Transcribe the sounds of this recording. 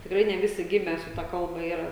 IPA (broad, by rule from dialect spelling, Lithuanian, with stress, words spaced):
tʲɪkˈrɐɪ nʲɛ ˈʋʲɪsʲɪ ˈɡʲɪmʲɛ sʊ ˈtɐ ˈkɐlˠbɐ ˈiːrɐ